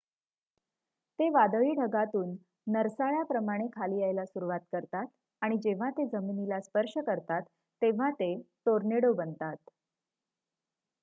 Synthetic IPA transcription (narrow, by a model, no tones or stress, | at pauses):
t̪eʋad̪ʋiːɖʱəɡat̪uːnː | əɾsaɭjapɾəmaɽ̃ekʰaliːajlasuɾuʋat̪̚kəɾt̪at̪̚ | aɽ̃id͡ʑeʋ̤at̪ed͡zəminilaspəɾʂəkəɾt̪at̪ː | eʋ̤at̪eʈ̪oɾneɽəʋbənt̪at̪